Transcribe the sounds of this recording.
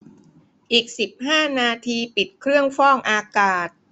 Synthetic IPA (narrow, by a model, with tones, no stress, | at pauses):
ʔiː˨˩k̚si˨˩p̚haː˥˩naː˧t̪ʰiː˧pi˨˩t̪̚kʰɾɯ˥˩əŋfɔː˥˩ŋʔaː˧kaː˨˩t̪̚